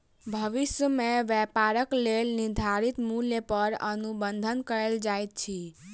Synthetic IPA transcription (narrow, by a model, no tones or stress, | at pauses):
bʱəʋisjəmeʋɛpaɾəklelniɾd̪ʱaɾit̪muljepəɾə̰nubənd̪ʱənkəɾeld͡ʒajt̪̚t͡ʃʰi